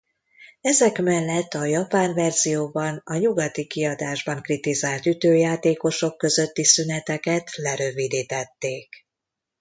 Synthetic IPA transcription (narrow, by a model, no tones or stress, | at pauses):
ɛzɛkmɛlːɛt̪ʰːɒjɒpaːɱvɛrzijoːbɒnɒɲuɡɒt̪ikiɒd̪aːʒbɒŋkrit̪izaːlt̪yt̪øːjaːt̪eːko̞ʃo̞kːø̞zø̞t̪ːisynɛt̪ɛkɛt̪lɛɾøvid̪iːt̪ɛt̪ːeːk